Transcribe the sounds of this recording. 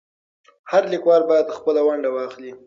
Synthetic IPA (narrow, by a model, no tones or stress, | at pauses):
haɾlikwɑɾbɑjad̪xpəlawaɳɖawɑxli